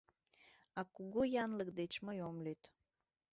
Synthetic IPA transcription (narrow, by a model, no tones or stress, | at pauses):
ɑkuɣujɑnləkd̪et͡ɕməjomlyt̪